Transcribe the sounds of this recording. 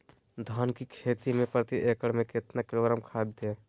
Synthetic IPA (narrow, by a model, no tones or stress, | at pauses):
d̪ʱaːnkikʰeːt̪imẽpɾət̪iʔekəɽmẽkɪt̪nakɪloːɡɾamkʰaːb̚d̪e